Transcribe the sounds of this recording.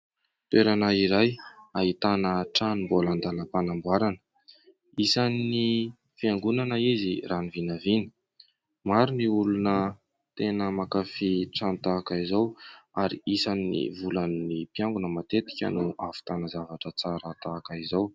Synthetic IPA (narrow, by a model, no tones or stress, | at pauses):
t̪weɾanaiɾajait̪anəʈ͡ʂanimboland̪aləpanambwaɾanə̥ | isanini | fiaŋɡunanəiziranivinavinə̥ | maɾiniulunə | t̪enəmakafiʈ͡ʂant̪akaizawaɾḭisanːḭvulannipjaŋɡunəmat̪et̪i̥kʲə̰nuʔafu̥t̪anəzavaʈ͡ʂət͡saɾat̪aːkaizaw